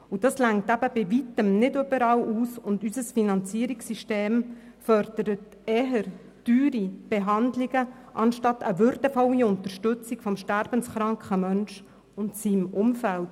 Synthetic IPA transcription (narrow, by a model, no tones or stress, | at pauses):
ud̥ɑslæŋtæb̥əb̥ɪʋitəmnɪdøbəɾɑwʔuːsʊndysəsfinɑnt͡siəɾiksiʃteːmfœɾd̥əɾət | ɛɦəɾ | d̥yːɾib̥ɛɦɑnd̪liɡə | ʔɑnʃtɑtəʋʏɾdəfɔliʊnt̪əɾʃtʉt͡siɡ̥fɔmʃtæɾb̥ənsχɾɑŋkχəmœnʃ | ʊntsiːmʊmfælt